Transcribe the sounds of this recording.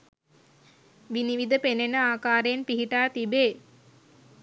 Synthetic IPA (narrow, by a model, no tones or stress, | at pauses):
ʋiniʋid̪əpenenəaːkaːɾejenpiɦiʈaːt̪ibeː